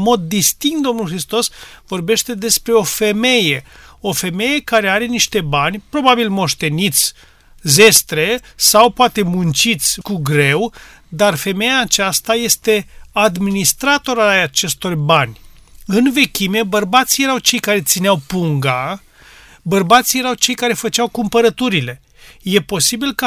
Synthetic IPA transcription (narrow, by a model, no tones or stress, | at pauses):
mo̞d̪ːist̪iŋkt̪d̪o̞mnulxɾist̪o̞svo̞rbe̞ʃt̪e̞d̪e̞spɾe̞o̞fe̞me̞je̞o̞fe̞me̞je̞kaɾe̞aɾe̞niʃt̪e̞banʲpɾo̞babilmo̞ʃt̪e̞nit̪sʲ | ze̞st̪ɾe̞sawpoat̪e̞munt͡ʃit̪sʲkuɡɾe̞w | d̪arfe̞mejaːt͡ʃast̪aje̞st̪e̞ad̪minist̪ɾat̪o̞ɾaat͡ʃe̞st̪o̞rbanʲɨnve̞kʲime̞bərbat̪sije̞ɾawt͡ʃe̞jkaɾe̞t̪sineawpuŋɡa | bərbat̪sije̞ɾawt͡ʃe̞jkaɾe̞fət͡ʃawkumpəɾət̪uɾile̞ | je̞po̞sibilkə